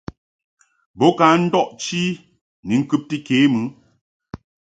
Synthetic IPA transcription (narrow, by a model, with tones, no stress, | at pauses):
bɔ˨˦ka˨˦n̩˦dɔ˦ʔt͡ʃi˦ | ni˨ŋ̩˦kʉ˦p̚ti˦ke˨˦mɨ˨˦